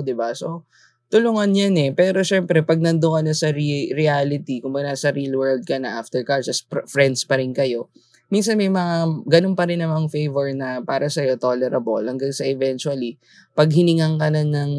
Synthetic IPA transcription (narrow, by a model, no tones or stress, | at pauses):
d̪ɪbaso̞ | t̪ʊlʊŋɐnjanɛpɛːɾo̞ʃɛmpɾɛpɐɡ̚nɐnd̪ʊkɐnɐsɐɾiɾɪalɪt̪ikʊmbɐɡɡ̪asɐɾilwɛ˞ld̪̚kɐnɐʔaft̪ɛɹkat͡ʃɐspfɾɛnd̪spɐɾɪnkɐjo̞ | minsɐnmɐjmɐŋaɡɐno̞npɐɾɪnːɐmɐŋfejvɛɹnɐpaːɾɐsɐjo̞t̪o̞lɛɾɐbo̰lhɐŋɡaŋsɐʔɛvɛnt͡ʃwɐli | pɐɡhɪnɪŋɐŋkɐnɐnɐŋ